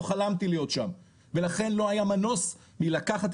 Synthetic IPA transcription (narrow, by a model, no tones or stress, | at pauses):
oχalamt̪ilejo̞t̪ʃam | velaχe̞nlo̞ajamano̞s | milakaχat̪